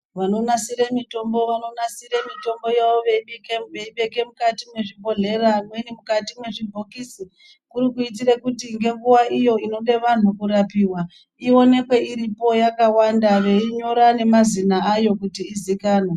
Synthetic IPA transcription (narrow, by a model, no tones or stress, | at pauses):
ʋano̞nasiɾemito̞mbo̞ʋano̞nasiɾemito̞mbo̞jaʋoʋeiɓikeʋeiɓe̞ke̞mukatimwe̞ʐibʱo̞ɮe̞ɾamwenimukatimwe̞ʐibʱo̞kiːsi | kuɾikuit̬irekutiŋɡe̞ŋɡuwaʔijo̞ino̞ɗe̞ʋan̤ukuɾapiːwa | io̞ne̞kwe̞iɾipo̞jakawandaʋe̞iɲo̞ɾane̞mazinaajo̞kutiːzikaːne